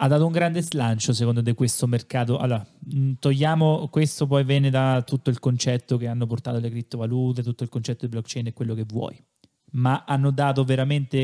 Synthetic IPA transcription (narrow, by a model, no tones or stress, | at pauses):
ad̪ːat̪ouŋɡɾand̪ezlant͡ʃos̬ekond̪ot̪ekwest̪omerkaːt̪oʔa̰lːoːɾat̪ojːaːmokwest̪op̬ɔjvjɛːned̪at̪ːut̪ːoilkont͡ʃɛt̪ːok̟eanːoport̪aːt̪olekɾip̚t̪ːovaluːt̪̬et̪ut̪ːoilkont͡ʃɛt̪ːod̪iblɔkt͡ʃɛjnekːwelːokevːwɔ̰ːj | maʔanːod̪aːt̪̬oveɾament̪e